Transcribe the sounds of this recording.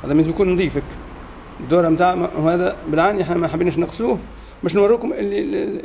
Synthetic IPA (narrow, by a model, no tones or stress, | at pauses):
hæ̰d̪æmɪs̬bkuːnnd̪ˤiːfæk | d̪ːuːɾˤɑmt̪aːʕahæːd̪æbɪlʕaːniʔeħnæmænħabːiːnʃnɪqsluːh | mɪʃ̬nwɑɾˤːuːkʊmʔɪlːi